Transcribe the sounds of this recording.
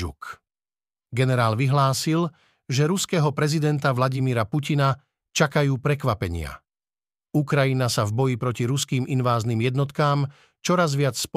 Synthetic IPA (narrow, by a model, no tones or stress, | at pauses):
ṵk | ɡɛnɛɾaːlʋiɦlaːsil | ʒɛɾuskɛɦɔpɾɛzid̪ɛnt̪aʋlaɟimiːɾapucina | t͡ʃakajuːpɾɛkʋapɛɲɪa̰ | ukɾajinasavbɔjipɾɔciɾuskiːmʔinʋaːzniːmjɛd̪nɔt̪kaːm | t͡ʃɔɾazʋɪat͡ssp